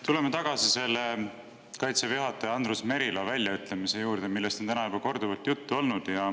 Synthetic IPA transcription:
t̪ule̞met̪ɑɡ̥ɑsise̞lːe | kɑjt̪sevjuɦɑt̪ːˑɑjɑnd̪rusme̞ɾilɑvælʲːjɑyt̪ˑle̞mise̞juːɾd̪̥emilːe̞st̪o̞nt̪ænɑjubɑko̞rd̪uvɑlt̪jut̪ːuo̞lnud̪̥jɑ

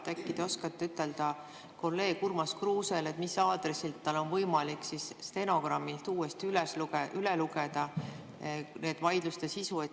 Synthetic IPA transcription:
t̪ækːid̪̥eo̞skɑt̪ːeyt̪ːˑeld̪̥ɑ | ko̞lːe̞ːɡurmɑskruːse̞let̪misɑːd̪resilt̪ːɑlo̞nvɤjmɑliksisst̪e̞no̞ɡ̥rɑmːilt̪uːest̪ylesluɡeʔyleluɡ̥ed̪̥ɑ | ne̞ːd̪̥vɑjd̪̥lust̪e̞sisue

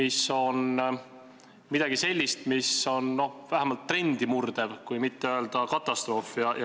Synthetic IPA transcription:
iso̞n | mid̪̥ɑɡise̞lʲːist̪miso̞nno̞væɦæmɑlt̪ːre̞nʲd̪̥imurd̪̥e̞vkujmit̪ːeøeld̪̥ɑkɑt̪ːˑɑst̪ro̞ːfjɑj

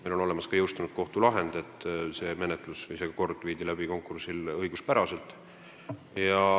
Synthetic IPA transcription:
melo̞no̞le̞mɑskɑjɤwst̪unud̪̥ko̞ht̪ulɑɦend̪̥e̞t̪ːˑse̞ːme̞net̪ˑlusvɯjse̞ɡ̥ɑko̞rd̪̥viːd̪̥ilæb̥iko̞ŋkˑursilɤjɡuspæɾɑse̞lt̪ˑ | jɑ

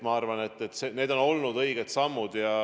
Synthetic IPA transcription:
mɑɑrvɑne̞t̪ːˑet̪ːˑsene̞ːd̪̥o̞no̞lnud̪ɤiɡ̥et̪sɑmːud̪̥jɑ

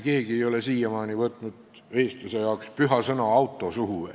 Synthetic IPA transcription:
ke̞ːɡie̞jo̞le̞siːjemɑːnivɤt̪ˑnud̪̥ | e̞ːst̪luse̞jɑokspyɦɑsɤnɑɑwt̪ːˑo̞suhuvḛ

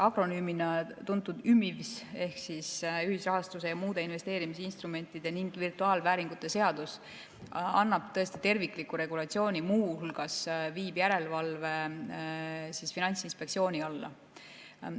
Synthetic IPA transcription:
ɑɡ̥ɾo̞nyːminɑt̪unt̪ːˑud̪̥ymːivse̞hksisyɦisrɑɦɑst̪us̬e̞jɑmuːd̪e̞inve̞st̪e̞ːɾimis̬einst̪ɾume̞nʲt̪ːˑid̪̥e̞niŋɡ̥virt̪uɑːlvæːɾiŋɡ̥ut̪ːˑe̞se̞ɑd̪us | ɑ̰nːɑb̥t̪ɤ̞est̪i̥t̪e̞rvikːˑlikːuɾe̞ɡ̥ulɑt̪sio̞ːnʲimuːhulɡ̥ɑsviːbjæɾe̞lvɑlve̞ | sisfinɑnʲsinspe̞kt̪sio̞ːniɑlːɑ̰

